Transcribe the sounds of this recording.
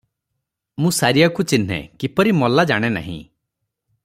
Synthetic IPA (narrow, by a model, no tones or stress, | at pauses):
mũsaɾijakut͡ʃin̤ḛkipɔɾimɔlad͡ʒaɽ̃ena̰ɦḭ̃